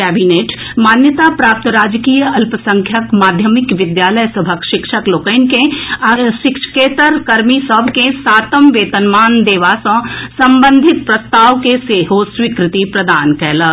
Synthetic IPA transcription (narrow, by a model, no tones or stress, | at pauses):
kɛːbineːʈ | maːnjət̪apɾaːp̚t̪əɾaːd͡ʒkiːjəɐlpəsɐ̃ŋkʰjəkmaːd̪ʱjəmɪkʋɪd̪jaːləjsɐbʱəkʃɪkʃəkloːkənkẽɐʃɪkʃkeːt̪əɾkɐɾmisɔbʱkẽsaːt̪əmʋeːt̪ənmaːnd̪eːʋasɐ̃ːsɐ̃mbə̃nd̪ʱɪt̪̚pɾɐst̪aːʋkeseːɦosʋikɾɪt̪ipɾɐd̪aːnkɛːləɡ